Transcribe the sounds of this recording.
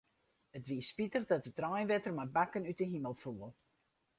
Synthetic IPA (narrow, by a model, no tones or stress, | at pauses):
ətʋiəspitərdɔt̚ətrɔjnʋɛtərmabakənytdəɦiməlˠfuəlˠ